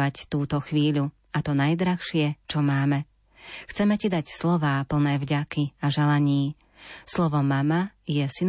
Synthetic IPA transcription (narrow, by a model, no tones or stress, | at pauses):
act̪uːt̪ɔxʋiːʎu | at̪ɔnajd̪ɾaxʃɪɛt͡ʃɔmaːmɛ | xt͡sɛmɛcid̪acslɔʋaːpl̩nɛːvɟakiaʒɛlaɲiː | slɔʋɔmamajɛsin